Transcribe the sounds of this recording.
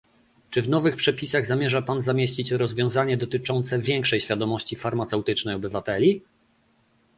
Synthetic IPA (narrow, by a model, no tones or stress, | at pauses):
t͡ʂɘvn̪ɔvɘxpʂɛpʲisaɣzamʲjɛʐapanzamʲjeɕt͡ɕit͡ɕɾɔzvʲjɔ̃w̃zaɲɛd̪ɔt̪ɘt͡ʂɔnt̪sɛvʲjɛŋkʂɛjɕfʲjad̪ɔmɔɕt͡ɕifaɾmat̪sɛwt̪ɘt͡ʂnɛjɔbɘvat̪ɛlʲi